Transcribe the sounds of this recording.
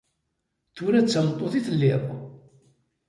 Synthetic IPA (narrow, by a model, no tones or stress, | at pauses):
θuɾæt͡sːəmət̪ˤːoθiθəlːɪ̰ðˤ